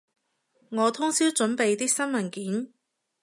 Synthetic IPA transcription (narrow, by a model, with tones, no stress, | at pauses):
ŋɔː˨˧t̪ʰʊ˥ŋsiː˥wt͡ʃɵ˨˧˥npe˨˧jt̪iː˥k̚sɐ˥nmɐ˨˩nkiː˨˥n